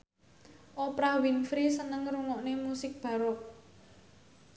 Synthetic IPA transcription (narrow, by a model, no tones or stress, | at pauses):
ʔopɾawinfɾisənəŋruŋɔʔnemusɪk̚b̥ä̤ɾʊk̚